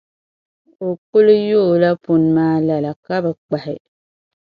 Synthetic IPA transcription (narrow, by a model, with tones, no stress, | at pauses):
o˨kʊ˦lʊ˦jo˦˨la˦pʊ˨n˦maː˦la˨la˨ka˦ba˨k͡pa˨hɪ˨